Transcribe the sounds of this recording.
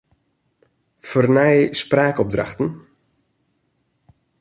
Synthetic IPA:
fərnɛjspraːkɔb̚dra̰xtən̩

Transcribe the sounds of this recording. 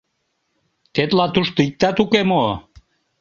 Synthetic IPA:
t̪et̪lɑt̪uʃt̪oik̚t̪æt̪ukemo

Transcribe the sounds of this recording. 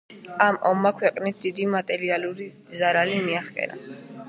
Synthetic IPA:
amʔɔmːakʰwɛqʼnit̪̚ʰd̪id̪imat̪ʼɛɾialuɾi | zaɾalimiaχpʼɛ̰ɾa̰

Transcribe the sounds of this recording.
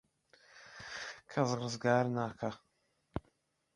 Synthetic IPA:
kʰɐzʁɨzɡaːɾnaːkʰa

